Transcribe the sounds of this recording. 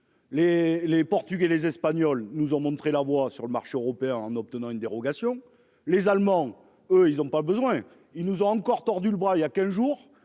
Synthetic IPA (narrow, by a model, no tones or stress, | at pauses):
lelepɔʁt̪yɡelezɛspaɲɔlnuzɔ̃mɔ̃t̪χelavwasyʁləmaʁʃeøʁɔpeɛ̃ɑ̃nɔp̚t̪ənɑ̃ynd̪eʁɔɡasjɔ̃ | lezalmɑ̃ | øilzɔ̃pabəzwɛ̃ | ilnuzɔ̃ɑ̃kɔʁt̪ɔʁd̪yləbʁailjakʲɛ̃zʒuːʁ